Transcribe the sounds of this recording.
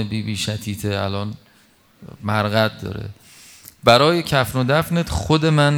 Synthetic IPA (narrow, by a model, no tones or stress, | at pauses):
ebiːbiːʃæt̪ʰiːt̪ʰeæ̰lɒːn | mæɾɣæt̪̚d̪ɒ̰ːɾḛ | bæɾɒːje̞cʲʰæfnod̪æfnet̪xod̪e̞mæn